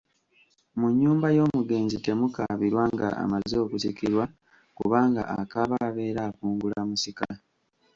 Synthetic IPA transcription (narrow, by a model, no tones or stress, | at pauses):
muɲːuːmbajo̞ːmuɡe̞ːnzite̞mukaβiɾwaŋɡa̰a̰mazo̞ːkusikiɾwa | kṵβaːŋɡa̰ʔakaβaːβe̞ːɾaːkuːŋɡulamusika